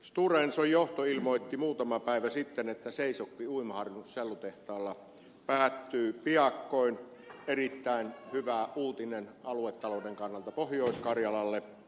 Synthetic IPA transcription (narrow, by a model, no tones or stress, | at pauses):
st̪urensojjoht̪oilmoˑit̪ːimuːt̪ɑmɑpæˑiʋæsit̪ːenet̪ːæseˑisokːiuimɑhɑrʋinusselːut̪eht̪ɑːlːɑ | pæːt̪ːyːpiɑkːoˑin | erit̪ːæˑinhyʋæuːt̪inenɑluet̪ːɑloˑudeŋkɑnːɑlt̪ɑpohjoˑiskɑrjɑlɑlːe